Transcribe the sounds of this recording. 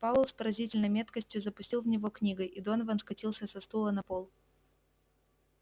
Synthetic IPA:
pavʊlˠspəɾɐzʲitʲɪlʲnəjmʲe̞t̪kəsʲtʲjʊzəpʊsʲtʲilˠvnʲɪvo̞knʲiɡəjɪd̪o̞nvənskɐtʲilˠsʲəsɐst̪ulˠənɐpolˠ

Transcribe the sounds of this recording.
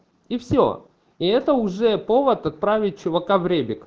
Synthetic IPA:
ifsʲo̰ | iɛt̪əʊʐɛpovət̪ɐt̪̚pɾavʲɪɪvɐkavɾʲebʲɪk

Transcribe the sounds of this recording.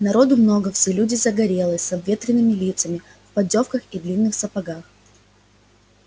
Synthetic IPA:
nɐɾo̞d̪ʊmno̞ɡəfsʲelʲudʲɪzəɡɐɾʲe̞lˠəsʲsɐbvʲe̞t̪ɾʲɪnːɨmʲɪlʲit̪səmʲɪ | fpɐdʲo̞fkəxid̪lʲinːɨxsəpɐɡax

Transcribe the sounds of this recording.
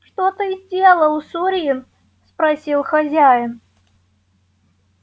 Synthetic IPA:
ʂt̪ot̪ɨizʲdʲelˠəlˠusuɾʲɪjɪ | spɾɐsʲilˠxɐzʲæjɪn

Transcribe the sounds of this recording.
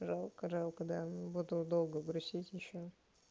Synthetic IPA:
ʐalˠkɐʐalˠkɐɡd̪abud̪ʊd̪olˠɡəɡɾʊsʲitʲjɪɕːo

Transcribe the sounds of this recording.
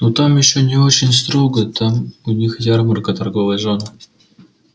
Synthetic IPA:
not̪amjɪɕːonʲɪo̞t͡ɕɪnʲst̪ɾo̞ɡət̪amʊnʲixjʲarmərkət̪ɐrɡovəjʐon

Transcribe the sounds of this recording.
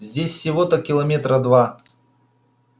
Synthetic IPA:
zʲdʲesʲsʲɪvot̪əkʲɪlˠɐmʲet̪ɾəd̪va

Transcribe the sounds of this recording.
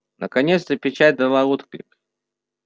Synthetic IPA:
nʔəkanʲet̪st̪əpʲɪt͡ɕat̚ʲd̪əlˠaɾut̪klʲɪk

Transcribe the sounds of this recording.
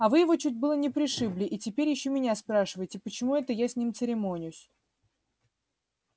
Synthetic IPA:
ɐvɨjɪvo̞t͡ɕut̬̚ʲbɨlˠənʲɪpɾʲɪʂɨblʲɪʔitʲɪpʲeɾʲjɪɕːomʲɪnʲaspɾaʂɨvəjɪtʲɪpət͡ɕɪmuɛt̪əjasʲnʲimt̪sɨɾʲɪmonʲɪjʊsʲ

